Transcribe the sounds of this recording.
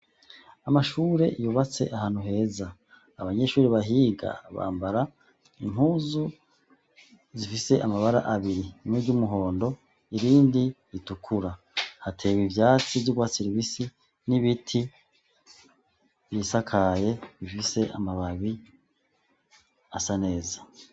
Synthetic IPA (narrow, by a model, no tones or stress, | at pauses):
amaʃuːɾe̞ʔijuβat͡se̞̰ʔahaːn̥uɦe̞ːzaː | βaɲe̞ʃuːɾiβaɦiːɡa̰βa̰ːmbaɾa | im̥huːzu | zifise̞ʔamaβaɾa̰ʔaβiɾimuɟumuɦo̞ːndo̞ | iɾiːndi | itukʰuɾa | hatʰe̞βivjaːt͡sivɟuɡwasiɾiβisi | niβitʰi | βjisakʰaje̞βifise̞amaβaβi | asane̞ːzḁ